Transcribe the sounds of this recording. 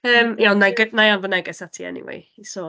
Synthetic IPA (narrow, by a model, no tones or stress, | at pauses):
əːmjanajɡənajanvənɛɡɛsatʰiɛ̰nḭwḛjisɔ